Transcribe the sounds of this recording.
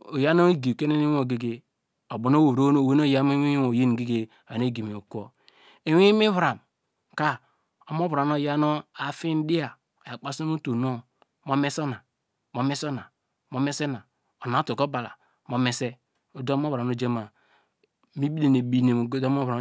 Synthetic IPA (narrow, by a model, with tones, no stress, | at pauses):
o˨ja˦no˦e˦ɡi˨ke˦ne˦ni˦o˨ɡe˨ɡe˨ | o˨bo˨no˦wo˨ɾo˦n˦˨we˦n˦o˦˨ja˦me˦wi˦wo˨je˦n˨ɡe˦ɡe˨ne˦˨ɡi˨mi˨o˨kʷo˦ | e˨we˦mi˦βɾa˨m | ka˦ | o˨mo˦βɾa˨no˨ja˦no˦a˨fi˦n˦di˦a˨ | ja˨k͡pa˦so˦no˦to˨no˦ | mo˦me˦so˦na˨ | mo˦me˦so˦na˨ | mo˦me˦se˦na˨ | o˨n˨a˨˦to˨ko˦ba˨la̰˨ | mo˦me˦se˦ | o˨do˦m˦o˦βa˨no˦d͡ʒe˦ma˨˦ | mi˦bi˦de˨ne˨bi˦ne˨m˨ɡo˦do˦mo˦βɾa˨